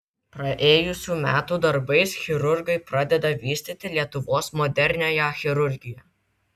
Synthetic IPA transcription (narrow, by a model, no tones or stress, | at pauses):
pɾɐʔeːjʊsʲuːmʲæːt̪uːd̪ɐɾbɐɪsxʲɪɾʊɾʲɡɐɪpɾɑd̪ʲɛd̪ɐʋʲiːsʲt̪ʲɪt̪ʲɪlʲiɛt̪ʊʋoːsmɔd̪ʲɛɾʲnʲoːjɛxʲɪɾʊɾʲɡʲɪjɛ